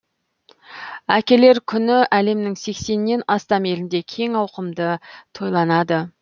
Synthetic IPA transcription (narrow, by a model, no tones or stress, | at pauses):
ækʲe̞le̞ɾkʲʰʏnɪʔæle̞mnɪŋse̞kse̞nːe̞nɑst̪ɑme̞lɪnd̪e̞kʲʰe̞ŋɑwqəmd̪ət̪ʰo̞jlˠɑnɑd̪ə